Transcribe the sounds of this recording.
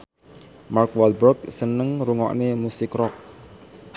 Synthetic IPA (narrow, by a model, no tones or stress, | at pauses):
markwalbərksənəŋɾuŋɔ̰ʔnemusɪkrɔk̚